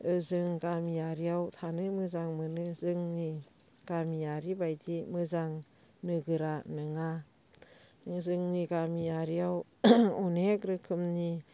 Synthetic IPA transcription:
ɯzɯŋɡamijaɾijawtʰanɯmɯzaŋmɯnɯzɯŋni | ɡ̥amijaɾibajdimɯzaŋ | nɯɡɯɾanɯŋa | zɯŋniɡamijaɾijaw | ɔnekɾɯkʰɯmni

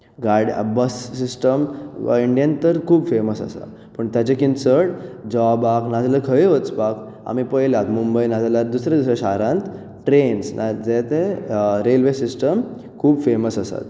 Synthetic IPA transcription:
ɡaɾɽḭbəssisʈəmiɳɖjant̪əɾkʰuːbfeməsasa̰ | pəɳt̪jat͡ɕekinsəɽd͡ʑɔbaknad͡zaləkʰəjʋət͡sbak | a̰mipəjlat̪mumbəjnad͡zalat̪̚d̪usɾad̪usɾaɕaɾãnt̪ | ʈɾensnad͡zet̪eɾelʋesisʈəm | kʰuːbfeməsasa̰t̪

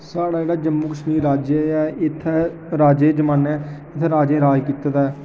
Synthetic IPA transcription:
saːɽaːd͡ʒeːɽaːd͡ʒəmːuːkəʃmiːɾːaːd͡ʒeɛːɪt̪ʰːɛ | ɾaːd͡ʒeːd͡ʒəmãːnɛːɪt̪ʰɾaːd͡ʒẽːɾaːd͡ʒkiːt̪ːd̪aɛː

